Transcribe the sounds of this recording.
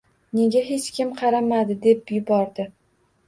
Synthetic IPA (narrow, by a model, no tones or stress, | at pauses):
ne̞ɡʲaɦe̞t͡ʃkʲɪmqʰɑɾamad̪ɪd̪e̞p̚jʊbɒɾd̪ɪ